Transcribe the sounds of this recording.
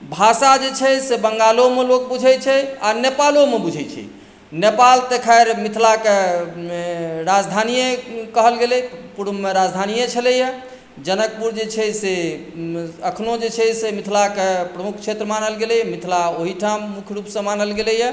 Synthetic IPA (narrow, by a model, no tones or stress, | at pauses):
bʱasad͡ʒet͡ʃʰɛsebəŋɡalomelok̚bud͡ʒʱɛt͡ʃʰɛanepalomebud͡ʒʱɛt͡ʃʰɛ̰ | nepalt̪ekʰaeɾmit̪ʰlake | ɾad͡ʒd̪ʱanijekəɦəlɡelɛpuɾmeɾad͡ʒd̪ʱanijet͡ʃʰəlɛjɛ | d͡ʒənək̚puɾd͡ʒet͡ʃʰɛse | əkʰnod͡ʒet͡ʃʰɛsemit̪ʰlakepɾəmukʰt͡ʃʰet̪ɾəmanəlɡelɛjmit̪ʰlaoɦiʈʰamːukʰjɾupsə̃manəlɡelɛjɛ